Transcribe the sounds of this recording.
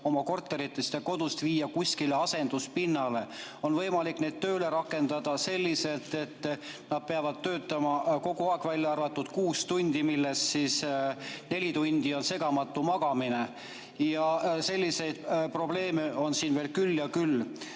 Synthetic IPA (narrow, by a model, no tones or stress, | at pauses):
o̞mɑko̞rt̪ːˑe̞ɾit̪ːˑest̪eko̞d̪̥ust̪viːjːɑkusʲkileɑse̞nd̪̥uspinːɑle̞o̞nvɤ̞jmɑlikne̞d̪̥̚t̪ø̞ːle̞ɾɑkːˑe̞nd̪̥ɑd̪̥ɑse̞lʲːise̞lt̪ːˑe̞t̪ˑː | nɑd̪̥̚peɑvɑd̪̥̚t̪ːø̞ːt̪ːˑɑmɑko̞ɡ̥uɑekvælʲjɑɑrvɑt̪ːˑud̪̥kuːst̪unʲd̪̥imilːe̞ssisne̞lʲit̪unʲd̪̥io̞nse̞ɡ̥ɑmɑt̪ːˑumɑɡ̥ɑmine | jɑse̞lʲːise̞jd̪̥pro̞b̥le̞ːme̞o̞nsiːnve̞ːlkylːjɑkylː